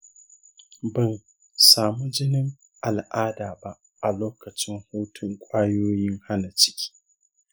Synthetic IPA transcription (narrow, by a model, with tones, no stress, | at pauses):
bɐ˨n | saː˨mu˦d͡ʒɪ˦nɪ˦ŋ | ʔa˨lʔaː˦daː˨ba˦ʔ | ʔa˨loː˦kɐ˨t͡ʃɪ˦ŋhʊː˦tʰʊ˨ŋkʷʼaː˦joː˦jɪ˦ŋha˦na˨t͡ʃɪ̥˦kʲʰi̥ː˦